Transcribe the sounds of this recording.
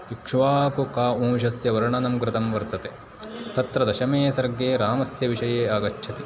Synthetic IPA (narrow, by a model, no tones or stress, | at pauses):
ikʂʋaːkukaːʔũːmʃɐsjɐʋɐɾɐɳɐnɐmkɾɪt̪ɐmʋɐɾt̪ɐt̪e | t̪ɐt̪ɾɐd̪ɐʃɐmeːsɐɾɡeːɾaːmɐsjɐʋiʂɐjeːaːɡɐt͡ʃːʃʰɐt̪i